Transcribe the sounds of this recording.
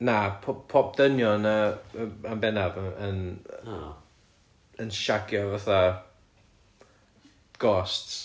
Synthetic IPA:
napʰpʰɔp̚d̥ənjɔnə | ambɛnavən | ənʃaɡjɔvaθa | ɡ̥ɔsts

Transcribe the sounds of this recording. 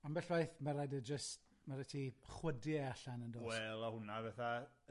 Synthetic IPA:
ambɛɬv̥ajθmaɾajdəd͡ʒəst | maɾatʰiχwədiaɬanəndɔwːwɛlˠahʊnavɛθa

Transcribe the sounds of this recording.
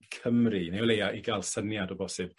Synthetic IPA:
kʰəmrinejwlejaʔiɡalˠsənjadɔbɔsɨb̥̚

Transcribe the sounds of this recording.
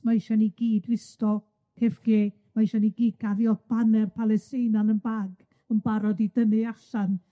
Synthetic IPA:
maɪʃaniɡiːdwɪstɔ | kʰefɡ̥eː | maiʃaniɡiːd̚ɡ̥ʰaðjɔb̥anɛrpʰalˠɛstɪnanənbaːɡ | ənbaɾɔdidənɨaɬan

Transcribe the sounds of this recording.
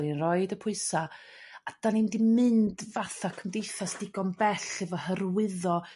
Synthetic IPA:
inrɔɨdəpʰʊɨsa | ad̥anindimɨndvaθakʰəmdejθasdiɡɔnbɛɬɛvɔhərwɪðɔ

